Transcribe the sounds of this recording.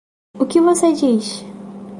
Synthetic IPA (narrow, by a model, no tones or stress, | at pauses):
ʊkɪvosed͡ʒiʃ